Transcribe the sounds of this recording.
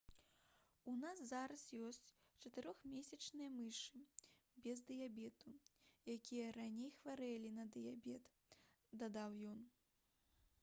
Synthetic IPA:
unas̬zaɾɐsjɔsʲt͡sʲ | t͡ʂɐt̪ɨɾɔxmʲeɛsʲɐt͡ʂnɨjɐmɨʂɨ | bʲɛzd̪ɨjabʲɛt̪ujakʲijɐɾanʲejxvaɾɛlʲinɐd̪ɨjabʲɛt̪ | d̪ad̪awjɔn

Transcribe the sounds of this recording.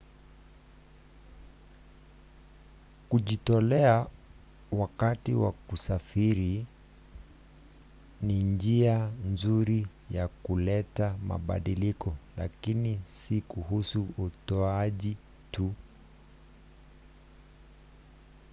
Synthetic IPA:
kuʄitɔlɛa | wakatiwa̰kusafiɾi | nind͡ʒianzuɾi | jakulɛtama̰ɓa̰ɗilikɔla̰kinisikuɦusuːtɔaʄi | tu

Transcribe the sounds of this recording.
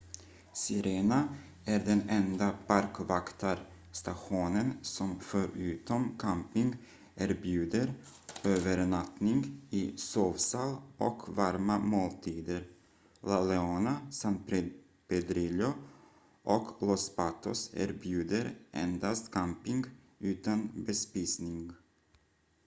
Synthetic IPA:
sɪɾeːna | æɾɖɛnɛnd̪apaɾkvakt̪ʰaɾ | st̪aɧuːnənsɔmfœɾʉ̟ːt̪ɔmkʰampɪŋɡ | æːɾbjʉ̟ːd̪əɾ | øːvəɾɳat̪nɪŋɡɪsoːvsɑlʔɔ̰kvaɾmamoːlt̪ʰiːd̪əɾ | lalɛoːnasant̪̚p | pɛd̪ɾɪljʊ | ʔɔklɔspat̪ʰɔsæ̰ːɾbjʉ̟ːd̪əɾʔɛ̰nd̪ast̪kʰampɪŋɡ | ʉ̟ːt̪anbɛspɪsnɪŋɡ

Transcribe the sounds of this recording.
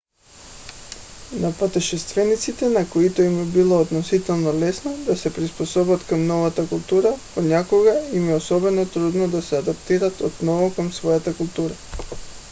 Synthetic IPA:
napat̪ɛʃɛst̪vɛnit̪sit̪ɛnakoit̪ɔimɛbilˠoːd̪nɔsit̪ɛlˠnɔlɛsnɔd̪asɛpɾispɔsɔbat̪kamnɔvat̪akulˠt̪uɾaponakoɡaimɛosɔbɛnot̪ɾud̪nɔd̪asɛad̪apt̪iɾat̪ɔt̪nɔvɔkamsvɔjat̪akulˠt̪uɾa

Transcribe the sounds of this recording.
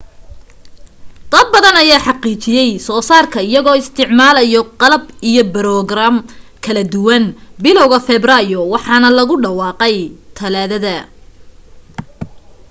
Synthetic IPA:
d̪̥ɐd̪̚bɐðɐnɐjaːħɑqiːt͡ʃɪjɛjsɔːsaːrkʰɐɪjɐɣɔːɪst̪ʰɪʕmaːlɐjɔqɑlɐbijɔbɐɾɔɡraːmkʰɐlɐd̪ʊwɐnbɪlɔwɣɐfɛbrajɔwɑħɑːnɐlɐɣʊɖɐwɑːqɛjt̪ʰɐlaːðɐðɐ

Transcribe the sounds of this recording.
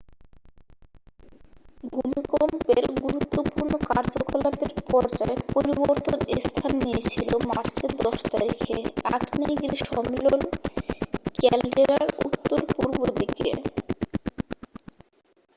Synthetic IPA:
bʱumikompeɾɡuɾut̪ːopuɾnokaɾd͡ʑokalad̪eɾpɔɾd͡ʑaepoɾiboɾt̪onest̪ʰanːijet͡ɕʰilomaɾt͡ɕed̪ɔʃt̪a̰ɾikʰḛaknajɡeleʃɔmeelon | kɛlɖɾiɾaɾṵt̪ːoɾpuɾbod̪ikḛ

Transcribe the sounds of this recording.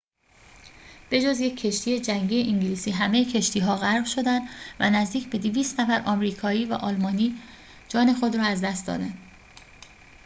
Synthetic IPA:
b̥e̞d͡ʒozje̞kcʰːe̞ʃt̪ʰiːje̞d͡ʒæŋɡɟiːje̞ʔiŋɟiliːsiːɦæme̞jecʰe̞ʃt̪ʰiːɦɒːɣæɾbʃo̞d̪ænd̪væ̰næzd̪iːcʰbe̞d̪iviːst̪næfæɾɒːmɾiːkʰɒːiːvæ̰ʔɒːlmɒːniː | d͡ʒɒːne̞xo̞d̪ɾɒːæzd̪æst̪d̪ɒ̰ːd̪ænd̪̥

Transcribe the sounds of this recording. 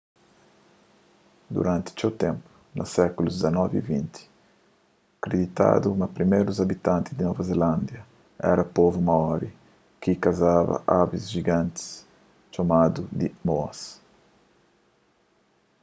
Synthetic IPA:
d̪ṵɾãnt̪ɪ̥t͡ʃewt̪ɛ̃mpu̥ | na̰sɛkulud̪izanɔvivĩnt̪ʰi̥ | akɾed̪it̪a̰d̪umɐpɾimeɾuzabit̪ãnt̪izd̪inɔvazelãnd̪jɐ | ɛ̰ɾɐpɔvumaɔɾi | kikazavɐ̰ʔabizʒiɡãnt̪i̥s | t͡ʃomad̪ud̪imoɐ̰s

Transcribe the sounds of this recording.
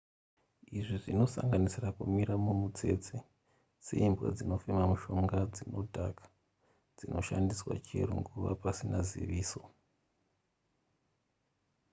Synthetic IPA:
iʐiʐino̞sa̰ŋɡanisirakumiɾamumut͡se̞t͡se | se̞̰imbwa̰d͡zino̞femamuʃo̞ŋɡad͡zino̞dʱakḁ | d͡zinʔo̞̰ʃandiswa̰t͡ʃeɾuŋɡuʋa̰pasinazḭʋiːso̞

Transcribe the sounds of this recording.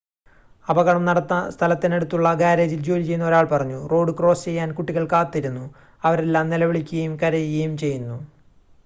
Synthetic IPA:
ɐbɐɣɐɳɐmnɐɽɐt̪ːɐst̪ʰɐlɐt̪ːineɽut̪ːuɭːɐɡaːɾeːd͡ʑild͡ʑoːlit͡ɕe̞jːunːɐo̞ɾaːɭpɐrɐɲːuro̞ːɽɨkro̞ːst͡ɕe̞jːaːnkuʈːiɣɐɭkaːt̪ːiɾunːu | ɐʋɐɾelːaːmnilɐʋiɭikʲːuɣɐjumkɐɾɐjiɣɐjumt͡ɕe̞jːunːu

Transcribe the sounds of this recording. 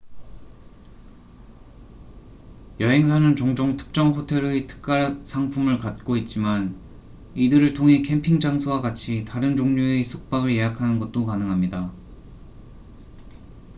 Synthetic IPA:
jʌɦe̞ŋsʰanɯnt͡ɕoŋd͡ʑoŋtʰɯ̥k̚t͡ɕ͈ʌŋɸotʰe̞ɾɯtʰɯ̥k̚k͈aɾsʰaŋpʰumɯɭkat̚k͈oit̚t͡ɕ͈iman | idɯɾɯɭtʰoŋɦe̞kʰe̞mpʰiŋd͡ʑaŋsʰowaɡat͡ɕʰitaɾɯnd͡ʑoŋɲuesʰok̚p͈aɡɯɭje̞ɦakʰanɯnɡʌt̚t͈okanɯŋɦamɲida

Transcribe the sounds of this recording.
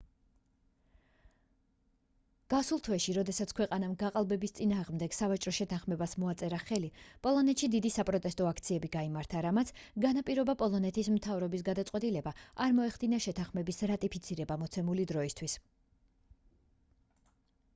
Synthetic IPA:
ɡ̥asulˠt̪ʰwɛʃiɾɔd̪ɛsat̪sʰkʰwɛqʼanamɡaqʼalˠbɛbist̪sʼinaːʁmd̪ɛɡ̥savat͡ʃʼɾɔʃɛt̪ʰãχmɛbasmɔat̪sʼɛɾaχɛlipʼɔlˠɔnɛt̪ʃid̪id̪isapʼɾɔt̪ʼɛst̪ʼɔakʰt̪sʰiɛbiɡaimaɾt̪ʰaɾamat̪sʰɡanapʼiɾɔbapʼɔlˠɔnɛt̪ʰismt̪ʰavɾɔbis̬ɡad̪at̪sʼqʼwɛt̪ʼilɛbaʔaɾmɔɛχd̪inaʃɛt̪ʰãχmɛbisɾat̪ʼipʰit̪sʰiɾɛbamɔt̪sʰɛmulid̪ɾɔist̪ʰwis

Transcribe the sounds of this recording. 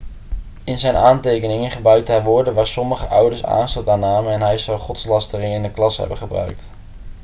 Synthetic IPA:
ɪnzɛjnaːntejkənɪŋənχəbrœɥk̚tɦɛjʋʊːɹdəʋaːɹsɔməχəʔʌ̰wdəɹsa̰ːnstɑlˠtaːnaːməɛnɦɛjzɔwχɔtslɑstərɪŋɪnəklɑsɦɛ̰bəχəbrœ̰ɥk̚t

